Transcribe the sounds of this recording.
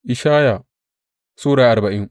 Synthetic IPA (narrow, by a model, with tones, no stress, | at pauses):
ʔɪ˨ʃaː˦ja˨ | suː˦ɽaː˨ʔa˨rba˨ʔɪ˦ŋ